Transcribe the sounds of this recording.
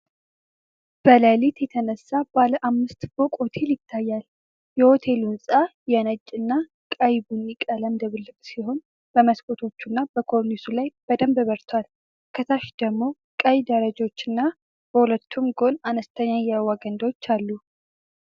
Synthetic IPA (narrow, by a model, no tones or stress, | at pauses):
b̥ələlit̪jɛt̪ʰənəsːabaləʔamːɨst̪fo̞kʼho̞t̪ʰe̞ljɪt̪ʰːajːal | jɛho̞t̪ʰe̞lunsʼajɛnət͡ʃʼːɨnːa | kʼəjbunːikʼələmd̪əβɨlːɨkʼsiɦo̞n | b̥əməskʼot̪ʰo̞t͡ʃːunːab̥əkʰo̞ɾnisulajb̥əd̪əmbβəɾt̪ʰwal | kʰət̪ʰaʃd̪əɡmːo̞ | kʼəjd̪əɾəd͡ʒo̞t͡ʃːɨnːa | b̥əhulət̪ʰːumɡo̞nanəst̪ʰəɲːajɛwaɡənd̪wot͡ʃːalːu